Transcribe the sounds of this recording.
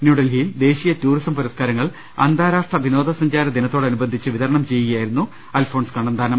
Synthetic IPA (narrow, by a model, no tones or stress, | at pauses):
njuːɽɐlɦijld̪e̞ːɕijɐtuːrisɐmpɐɾɐskaːɾɐŋːɐɭ | ɐ̰nd̪ʱaːɾaːʂʈrɐbʱino̞ːd̪ʱɐsɐɲd͡ʑaːɾɐd̪inɐt̪ːo̞ːɽeɐnubɐnd̪ʱit͡ɕːɨʋiðɐɾɐɳɐmt͡ɕe̞jːɨɣɐjaːjiɾunːu | ɐlfʰo̞ːɳskɐɳɐnd̪ʱaːnɐm